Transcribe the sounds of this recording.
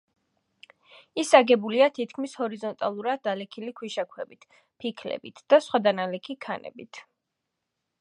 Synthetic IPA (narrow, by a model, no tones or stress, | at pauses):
isaɡɛbuliat̪ʰit̪ʰkʰmishɔɾizɔnt̪ʼalˠuɾad̪alɛkʰilikʰwiʃakʰwɛbit̪ʰ | pʰikʰlɛ̰bit̪ʰd̪̥asχwad̪analɛkʰikʰanʔɛ̰bit̪ʰ